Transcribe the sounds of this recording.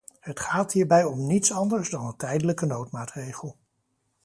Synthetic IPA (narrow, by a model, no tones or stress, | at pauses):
hətχaːtɦiːɹbɛjɔmnitsɑndəɹzdɑnəntɛjdələkənowtmaːtrejχəlˠ